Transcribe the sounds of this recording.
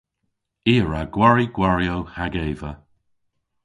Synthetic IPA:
iːəɹaɡ̥waɹiɡ̥waɹjowhaɡeːvə

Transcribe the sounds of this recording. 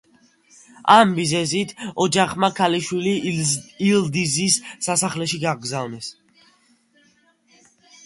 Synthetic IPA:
amːizɛzit̪ʰɔd͡ʒaχmakʰaliʃwiliild̪izisːasaχlɛʃiɡaɡzavnɛs

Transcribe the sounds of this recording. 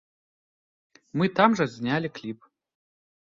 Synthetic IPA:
mɨt̪amʐɐzʲnʲalʲiklʲip

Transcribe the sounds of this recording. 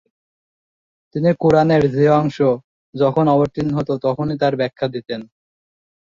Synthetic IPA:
t̪inikuɾaneɾd͡ʑeɔŋʃo | d͡ʑɔkʰonɔboɾt̪inɦot̪ot̪ɔkʰonit̪aɾbɛkʰːad̪it̪en

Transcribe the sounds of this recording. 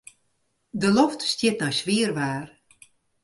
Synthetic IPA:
dəloftstjɪt̚nɔjsʋiərʋaːr

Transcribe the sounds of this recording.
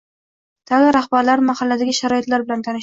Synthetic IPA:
t̪ʰaɪɾahbaɾlaɾmahalːad̪aɡʲɪʃaɾɒɪt̪laɾbɪlant̪ʰanɪʃ

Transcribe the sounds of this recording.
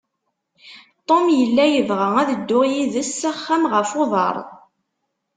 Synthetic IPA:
t̪ˤomjəlːæjəvʁəæðəd̪ːʊʁjiðəsːæχːæmʁəfoðˤɑ̰ɾˤ

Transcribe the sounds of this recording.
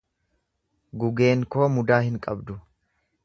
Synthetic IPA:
ɡʊɡe̞ːŋko̞ːmʊd̪aːhɪŋkʼɐbd̪ʊ

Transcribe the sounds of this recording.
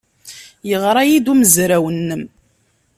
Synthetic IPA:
jəʁɾˤɑjid̪uməzɾæwənːəm

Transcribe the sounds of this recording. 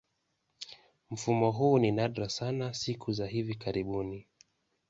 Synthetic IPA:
m̩fumɔɦuːninaɗɾasanasikʰuzaɦivikaɾiɓuni

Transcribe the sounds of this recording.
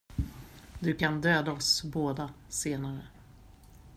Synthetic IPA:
d̪ɵkʰand̪øːd̪aɔsboːd̪a | seːnaɾə

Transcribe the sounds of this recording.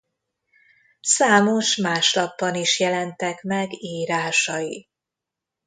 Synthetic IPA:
saːmo̞ʃmaːʃlɒbːɒniʃjɛlɛnt̪ɛkmɛɡiːɾaːʃɒji

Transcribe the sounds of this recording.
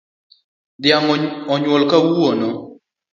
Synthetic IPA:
d̪ɪjaŋɔɲwɔlkawuonɔ

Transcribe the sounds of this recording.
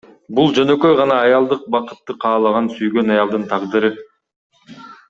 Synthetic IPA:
bulˠd͡ʒø̞nø̞kø̞jʁɑnɑːjɑlˠd̪ɯq̚bɑqɯ̥t̪ːɯqʰɑːlˠɑʁɑnsyjɡø̞nɑjɑlˠd̪ɯnt̪ʰɑʁd̪ɯɾɯ

